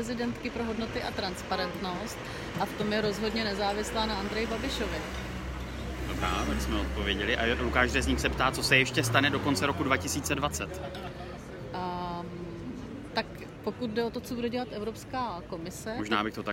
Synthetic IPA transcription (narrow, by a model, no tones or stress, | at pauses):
ɛzɪdɛnt̪kɪpɾoɦo̞dno̞t̪ɪʔat̪ɾanspaɾɛnt̪no̞st̪ | ʔaft̪o̞mjɛɾo̞zɦo̞dɲɛnɛzaːvɪslaːnaʔand̪ɾɛjɪbabɪʃo̞vɪ | dobɾa̰ːvɛsmɛot̪̚povjɛɟɛlɪʔaukaːʒdɛːzɲiːxsɛpt̪aːt͡so̞sɛjɛʃcɛst̪anɛdo̞ko̞nt͡sɛɾo̞kudvacɪsiːt͡sɛdvat͡sɛt̪ | t̪ak | po̞kut̪̚dɛo̞t̪o̞t͡so̞budɛɟɛlat̪ʔɛvɾopskaːko̞mɪsɛmoʒnaːbɪxt̪ot̪a